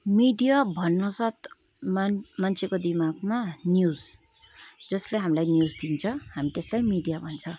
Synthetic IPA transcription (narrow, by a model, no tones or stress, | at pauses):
miɖijabʱʌnːʌsat̪̚ʰ | mmant͡sʰekod̪imaɡmanjud͡z | d͡zʌsleɦamilajnjud͡zd̪int͡sʰʌhamit̪eslajmiɖijabʱʌnt͡sʰʌ